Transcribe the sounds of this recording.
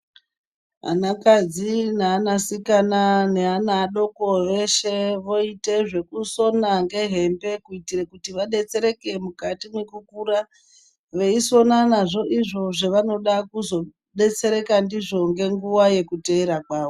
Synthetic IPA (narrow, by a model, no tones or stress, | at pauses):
ɦa̰nakad͡zineanasikananeanaːɗo̞koʋe̞ʃeʋo̞ite̞ʐe̞kuso̞naŋɡe̞ɦe̞mbe̞kuitirekutiʋaɗe̞t͡se̞ɾe̞ke̞mukatimwe̞kukuɾa | ʋe̞iso̞nanaʐo̞ʔiʐo̞ʐeʋano̞ɗakuzo̞ | ɗe̞t͡se̞ɾe̞kandiʐo̞ŋɡe̞ŋɡuwaje̞kuteiɾakwaːʋo